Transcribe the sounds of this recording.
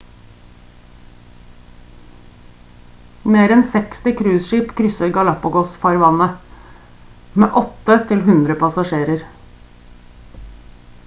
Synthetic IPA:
meːɾɛnsɛkst̪ɪkʰɾʉːsʃiːpkʰɾʏsəɾɡɑlɑpʊɡɔsfɑɾʋɑnə | mḛːʔɔt̪ət̪ʰɪlɦʉnd̪ɾəpʰɑsɑʃeːɾəɾ

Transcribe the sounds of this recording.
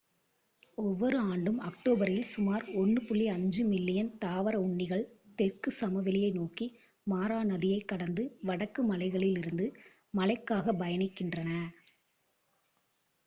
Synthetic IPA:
ɔʋːɔɾɯaːɳɖɯmɐk̚ʈoːbɐɾɪlsʊmaːɾɔɳːɯpʊɭːiɐɲd͡ʒɯmɪlːɪjɐnt̪aːʋɐɾɐʊɳːɪɣɐɭt̪ɛrkɯsɐmɐʋɪlɪjɐɪnoːkːi | maːɾaːnɐðɪjɐɪkːɐɽɐnd̪ɯʋɐɽɐkːɯmɐlɐɪɣɐɭɪlɪɾɯnd̪ɯ | mɐlɐɪkːaːɣɐbɐjɐnɪkːɪndrɐnɐ

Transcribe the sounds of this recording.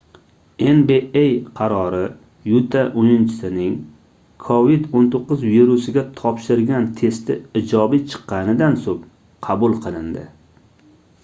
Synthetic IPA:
e̞nbeejqʰɑɾɒɾɪ | jut̪ʰaʔʊnɪnt͡ʃʰɪ̥sɪnɪŋ | kʰovid̪ont̪ʰoqːʊzviɾusɪɡʲat̪ʰɒpʃɪɾɡʲant̪ʰe̞st̪ɪ̰ɪd͡ʒɒbit͡ʃʰɨ̥qʰːɑnɪd̪ansop | qʰɑbʊlˠqʰɨlˠɪnd̪ɪ̰

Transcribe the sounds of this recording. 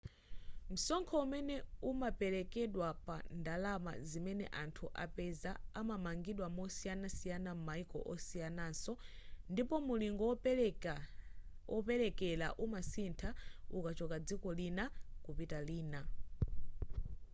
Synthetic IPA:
m̩sɔŋkʰɔumɛnɛumapɛlɛkɛɗwapandalama̰zimɛnɛ̰ʔantʰuʔa̰pɛzaːmamaŋɡiɗwamɔsijanasijanam̩maikɔ̰ʔɔsijanaːnsɔ | ndipɔmuliŋɡɔ | ɔpɛɾɛkɛlaʔumasintʰaukat͡ʃɔkad͡zikɔlinakupitaliːna

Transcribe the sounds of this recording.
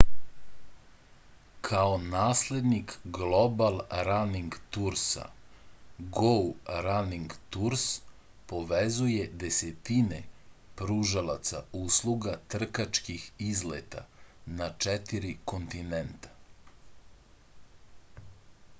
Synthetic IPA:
kʰaonaːsle̞d̪nikɡlobalˠɾaniŋɡt̪uɾsa̰ | ɡoɾaniŋɡt̪uɾs | po̞ʋezujed̪eset̪inepɾuʒalˠat̪sa̰uːslˠuɡat̪r̩kat͡ʃkixizlet̪a̰nat͡ʃɛt̪iɾiko̞nt̪inent̪ḁ

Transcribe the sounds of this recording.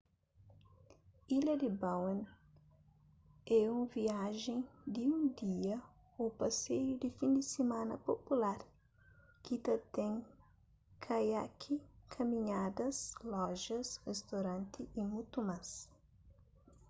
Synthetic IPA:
ilɐd̪ibawẽn | ɛũviaʒẽŋd̪iũd̪iɐ | upɐsejʊd̪ɪfĩnd̪ɪsemãnɐ̰populaɾ | kit̪ɐt̪ɛ̃ŋ | kʰajakʰikʰɐmĩɲad̪ɐslɔʒɐsrest̪owɾɐ̃nt̪iʔimut̪umas

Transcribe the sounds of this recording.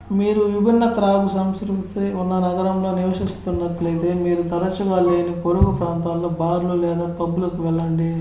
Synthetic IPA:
miːɾuʋibʱinːɐt̪ɾaːɡusɐmskɾukt̪iunːɐnɐɡɐɾɐmlo̞ːniʋɐʂist̪unːɐʈlɐjt̪e̞ːmiːɾut̪ɐɾɐt͡ʃiʋɐːleːɐnikoɾukɐpɾaːnt̪aːllo̞ːbaːɾululɛːd̪aːpɐbulɐkuʋɛɭːɐɳɖi

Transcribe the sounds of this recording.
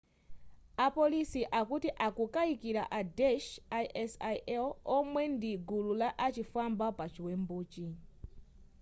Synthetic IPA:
apɔlisiʔakutiʔakukaikiɾa̰ʔadɛʃajʔɛsajʔɛlɔmwɛndiɡululaʔat͡ʃifambapat͡ʃiwɛmbuːt͡ʃi

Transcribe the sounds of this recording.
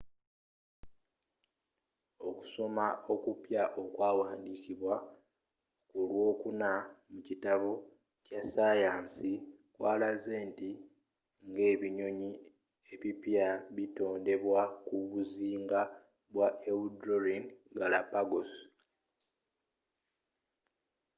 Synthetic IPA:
o̞ku̥so̞mao̞kupjaʔo̞kwaːwaːndiːkiβwa | kulwo̞ːkunamucitaβo | casajaːnsi | kwaːlazeːnti | ŋɡe̞ːβiɲo̞ɲi | e̞βipjaβito̞ːnde̞βwakuβuziːŋɡa | βwaʔewudɾoɾinɡalapaɡo̞s

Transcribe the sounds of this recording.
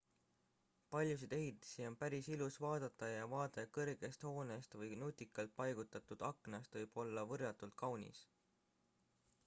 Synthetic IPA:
pɑlʲjus̬id̪̥e̞ɦit̪ːˑe̥sio̞npæɾisilusvɑːd̪̥ɑt̪ːˑɑjɑvɑːd̪e̞kɤrɡ̥e̞st̪ho̞ːne̞st̪vɤjnut̪ʲːˑikːˑɑlt̪̚pɑjɡ̥ut̪ːˑɑt̪ud̪̥ɑkːˑnɑst̪vɤjb̥o̞lːɑvɤrjɑt̪ːult̪̚kʰɑwnʲḭs

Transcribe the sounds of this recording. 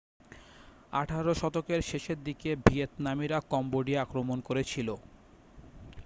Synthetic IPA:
aʈʰaɾoʃɔt̪okeɾʃeʃeɾd̪ikebʱiet̪namiɾakɔmboɖieakɾomonkoɾet͡ɕʰilo

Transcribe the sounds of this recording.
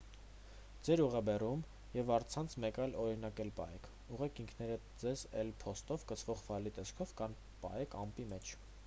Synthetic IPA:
d͡zɛɾuʁɛbɛrum | jɛvɑɾt͡sʰɑnt͡sʰmɛkɑjlɔɾin̪ɑkɛlpɑ̰ɛkʰ | uʁɛkʰiŋkʰnɛɾə | d͡zɛzɛ̰lpʰɔst̪ɔvkət͡sʰvɔʁfɑlit̪ɛskʰɔvkɑn | pɑ̰ɛkʰɑmpimɛt͡ʃʰ

